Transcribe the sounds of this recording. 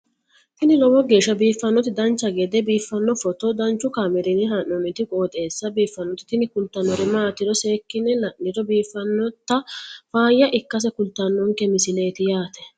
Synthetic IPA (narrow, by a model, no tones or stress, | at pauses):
t̪ɪnɪlɔwɔɡe̞ːʃːɐbiːfːɐnːɔt̪ɪd̪ɐnt͡ʃːɐɡɛd̪ɛbiːfːɐnːɔfɔt̪ɔd̪ɐnt͡ʃːʊkaːmɛɾɪnɪɦɐnɔnɪt̪ɪkʼo̞ːt̪ʼe̞ːsːɐbiːfːɐnːɔt̪ɪ̥t̪ɪnɪkʊlt̪ːɐnːɔɾɪmaːt̪ːɪɾɔse̞ːkːɪnːɛlɐnːɪɾɔbiːfːɐnːɔt̪ːɐfaːjːɐʔɪkːɐs̬ɛkʊlt̪ːɐnːɔŋkɛmɪsɪle̞ːt̪ɪjaːt̪ɛ̥